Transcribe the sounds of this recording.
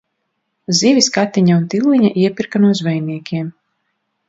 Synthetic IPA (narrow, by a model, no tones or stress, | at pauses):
zivʲiskat̪ːiɲaunt̪ilˠːiɲaʔiɛpiɾkanuɔzvɛjniɛkʲiɛm